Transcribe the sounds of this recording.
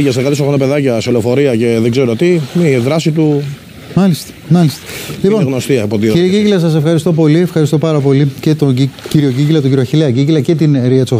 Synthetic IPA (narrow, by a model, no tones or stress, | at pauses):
ʝɐsekɐt̪is̬oɣnopeðɐcɐsolofo̞ɾiɐce̞ðeɡzeɾot̪imiðɾɐsit̪u | mɐlist̪e̥mɐlist̪e̥liponɣnost̪iɐipot̪̬iciɾiɐɟicilɐsɐsefxɐɾist̪o̞po̞liefxɐɾist̪o̞pɐɾɐpo̞lice̞t̪ociɾio̞ɟicilɐt̪oɟiɾioɐçileɐɟicilɐce̞t̪inɾiɐt̪iso